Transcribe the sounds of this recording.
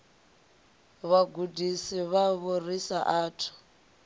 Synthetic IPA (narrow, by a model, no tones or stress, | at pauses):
βaɡudʱisiβaβorisaʔaːtʰu̥